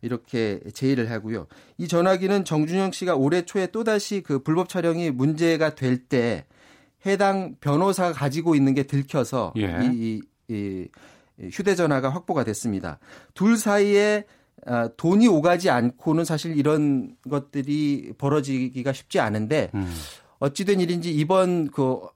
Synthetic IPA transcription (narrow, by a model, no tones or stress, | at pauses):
iɾʌkʰe̞t͡ɕe̞iɾɯɭɦaɡujo̰it͡ɕʌnaɡinɯnt͡ɕʌŋd͡ʑuɲʌŋɕ͈iɡaoɾe̞t͡ɕʰoe̞t͈odaɕʰikɯpuɭbʌp̚t͡ɕʰaɾjʌŋimund͡ʑe̞ɡadwe̞ɭt͈e̞ | he̞daŋpjʌnosʰaakad͡ʑiɡoinːɯnɡe̞tɯɭkʰjʌsʰʌ̰i | çjude̞d͡ʑʌnwaɡaɸwak̚p͈oɡadwes͈ɯmɲida̰tuɭsʰaie̞ | atoɲioɡad͡ʑiankʰonɯnsʰaɕʰiɾiɾʌnɡʌt̚t͈ɯɾipʌɾʌd͡ʑiɡiɡaɕʰi̥p̚t͡ɕ͈ia̰nɯnde̞ | ʌt̚t͡ɕ͈idwe̞ɲiɾind͡ʑiibʌnkɯ